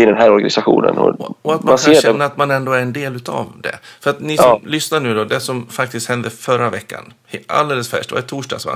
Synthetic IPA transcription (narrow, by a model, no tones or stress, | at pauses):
ɪd̪ɛnɦæːɾɔɾɡanɪsaɧṵːnə̰nɔ̰ɔat̪maanksʰaeːɛːaːt̪manɛnd̪oːæɾɛnd̪eːlʉ̟ːt̪a̰vd̪ɛ̰fœɾat̪nɪɔmlʏsnaɳʉ̟ːd̪ɔd̪ɛsɔmfakt̪ɪst̪hɛnd̪əfœɾːavɛkːa̰n | ha̰ld̪eːləsfæ̰ʂʈdɛva̰ɪt̪ʰuːʂdɖɑ̰ːɡsʋa̰